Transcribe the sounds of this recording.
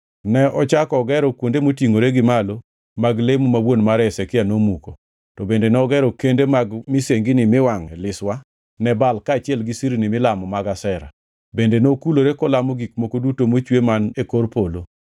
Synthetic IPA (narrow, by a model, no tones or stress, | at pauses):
nɛɔt͡ʃakɔːɡɛɾɔkwondemotiŋoɾeɡɪmalo | maɡlemumawwonmaɾɛsɛkɪanomuko | tɔbendenɛɔɡɛɾɔkendemaɡmɪseŋɡinɪmɪwaŋɛlɪswa | nɛbalkaːt͡ʃɪɛlɡisiɾinɪmɪlamɔmaɡasɛɾa̰ | bendenokuloɾekɔlamɔɡik̚mokodutomot͡ʃwemanekorpolo